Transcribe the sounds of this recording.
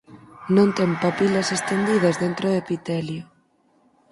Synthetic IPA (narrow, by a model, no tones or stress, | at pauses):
nõnt̪ɛmpapilɐsest̪end̪ið̞ɐzðent̪ɾoðepit̪ɛljʊ